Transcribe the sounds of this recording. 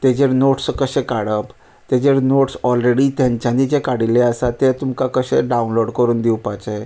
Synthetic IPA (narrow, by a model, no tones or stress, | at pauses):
t̪ed͡ʑeɾnoʈskəɕẽkaɽəp | t̪ed͡ʑeɾnoʈsɔlɾeɽit̪jãɲt͡ɕjanid͡ʑekaɽileəsat̪et̪umkakəɕḛɖaunloɽkəɾuːnd̪iwpat͡ɕa